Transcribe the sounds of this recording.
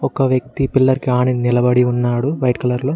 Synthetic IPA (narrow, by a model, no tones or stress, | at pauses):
ɔkɐʋjɐk̚t̪ipilːɐɾkiaːɳinilɐbɐɽiunːaːɽuʋɐjʈkɐlɐɾloː